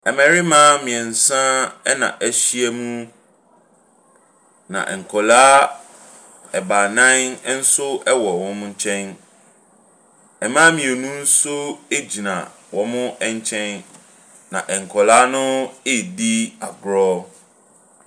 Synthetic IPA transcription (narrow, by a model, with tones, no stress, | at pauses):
ɛ˨mɛ̃˨ɾɪ˦mãː˦mĩ˨ɛ̃˨n̩˨sã˦ɛ˦nã̰˨ʔæ˨ɕi˦ɛ˦mũ˦ | nã̰˨ʔɛ˨ŋ̩˨kʰɔ˨laː˦ | ɛ˨ba˨nã˦n̩˦sʊ˦ɛ˦wɔ˨wɔ̃˦m̃˦ɲ̩˦t͡ɕʰɛ̃˦n | ɛ˨mã˦mĩ˨e˨nũ˦n̩˦sʊ˦e˦d͡ʑi˨nã̰˨ | wɔ˨mʊ̃˦ʔɛ˦˨ɲ˦t͡ɕʰɛ̃˦n | nã̰˨ʔɛ˨ŋ̩˨kʰɔ˨laː˦nʊ̃˦ɪ˦˨di˦a˨ɡɾɔ˦